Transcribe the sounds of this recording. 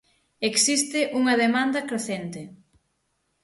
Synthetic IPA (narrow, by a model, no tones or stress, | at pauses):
eksist̪ɪʔuŋɐðemand̪ɐkɾeθent̪ɪ